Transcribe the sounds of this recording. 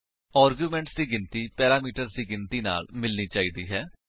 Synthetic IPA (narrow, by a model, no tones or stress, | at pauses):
aːɾɡjuːmɛ̃ːɳʈsd̪iːɡɪnt̪iːpɛːɾaːmiːʈəɾsd̪iːɡɪnt̪iːna̰ːlmɪlniːt͡ʃaːiːd̪iːɦɛː